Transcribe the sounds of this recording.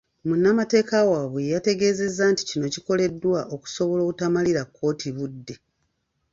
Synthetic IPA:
munːamate̞ːkawaːβwejate̞ɡe̞ːze̞zːaːnti̥cino̞ciko̞le̞dːwaʔo̞ku̥so̞βo̞lo̞ːkutamaliɾakʰːo̞ːtʰiβudːe̞

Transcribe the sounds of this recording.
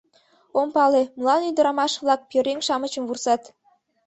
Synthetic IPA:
ompɑleməlɑnyd̪ə̆ɾɑmɑʃβlˠɑk̚pjøɾeŋʃɑmət͡ɕə̆mvursɑt̪

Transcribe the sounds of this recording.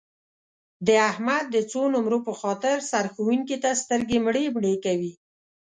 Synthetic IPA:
d̪əahmad̪̚ːət͡sonʊmɾopəxɑt̪ɪɾsaɾxuwuŋkit̪ast̪əɾɡemɽebɳekawi

